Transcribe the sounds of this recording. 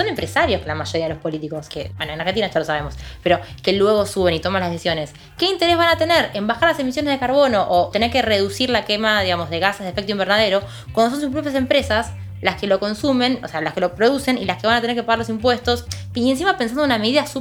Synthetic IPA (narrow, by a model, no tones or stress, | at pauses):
sone̞mpɾesaɾjoskelamaʒo̞ɾiaðelospo̞lit̪iko̞skḛbwenoenaɾxent̪inaʒalosaβe̞mospeɾo̞ke̞lwe̞ɣo̞suβe̞nit̪o̞manlahðesisjo̞ne̞s | ke̞int̪e̞ɾe̞zβanat̪e̞neɾembaxaɾlase̞misjo̞ne̞zðekaɾβo̞no̞ʔot̪e̞neɾkereðusiɾlakemaðiɣamo̞zð̞eɣaseðefekt̪uimbeɾnaðe̞ɾo | kwand̪os̬o̞nsup̬ɾopjase̞mpɾe̞sas | laske̞lo̞ko̞nsume̞nosealaske̞lo̞pɾo̞ðuse̞nilaskeβanat̪eneɾkepaɣaɾlo̞s̬impwe̞st̪o̞s | iens̬imapensand̪ouname̞ðiðasu